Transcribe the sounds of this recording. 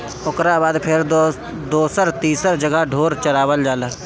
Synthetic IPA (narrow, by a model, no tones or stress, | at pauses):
ʊkɾabaːd̪pʰɪɾ | d̪oːsəɾt̪iːsəɾd͡ʒəɡəɖʱoːɾt͡ʃəɾaːwəld͡ʒaːlaː